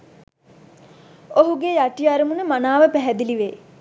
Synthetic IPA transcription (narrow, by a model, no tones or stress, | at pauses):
oɦuɡejaʈiaɾəmunəmanaːʋəpæɦɛd̪iliʋeː